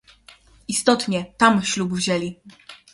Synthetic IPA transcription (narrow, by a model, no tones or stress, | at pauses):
ist̪ɔt̪ɲɛt̪amɕlubvʑɛlʲi